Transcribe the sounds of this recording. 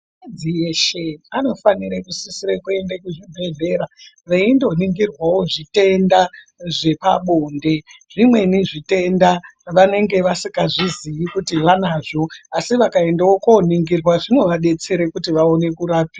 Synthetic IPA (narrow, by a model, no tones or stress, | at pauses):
ad͡zieʃeano̞faniɾekusisiɾekue̞ndekuʐibʱe̞ɮe̞ːɾa | ʋeindo̞niŋɡirwawo̞ʐite̞nda | ʐe̞pa̰ɓo̞ːnde̞ʐimwe̞niʐite̞ndaʋane̞ŋɡe̞ʋasikaʐizijikutiʋanaːʐo̞asiʋakae̞ndawokoniŋɡirwaʐino̞ʋaɗe̞t͡se̞ɾekutiʋaone̞kuɾaːpia